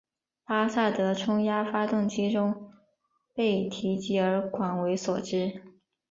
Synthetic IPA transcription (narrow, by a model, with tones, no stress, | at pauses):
pa˥sa˥˩t̪ɤ˧˥ʈ͡ʂʰʊ˥ŋja˥fa˥t̪ʊ˥˩ŋt͡ɕi˥ʈ͡ʂʊ˥ŋ | pe˥˩ɪt̪ʰi˧˥t͡ɕi˧˥ə˞˧˥kʰwa˨˩nwe˧˥ɪswɔ˨˩ʈ͡ʂɻ̩˥